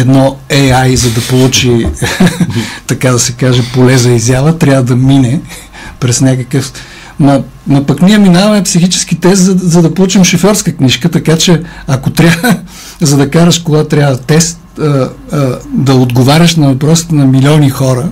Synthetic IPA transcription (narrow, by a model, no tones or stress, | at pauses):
ɛd̪nɔɛajzɐd̪ɐpolˠut͡ʃi | t̪ɐkad̪ɐsɛkaʒɛpolɛzɐizʲjavət̪ɾʲavəd̪ɐminɛ | pɾɛsnʲakəkəf | mɐ | nɐpɐkniɛminavɐmɛpsixit͡ʃɛ̥sk̟it̪ɛs̬t̪zɐzɐd̪ɐpolˠut͡ʃimʃofɔɾskəkniʃkət̪ɐkat͡ʃɛ | ɐkot̪ɾʲavə | zɐd̪ɐkaɾəʃkoɡat̪ɾʲavɐt̪ɛst̪̚ | ə | d̪ɐod̪ɡovaɾʲəʃnɐvɐpɾɔsi̥t̪ɛnɐmilʲɔnixɔɾə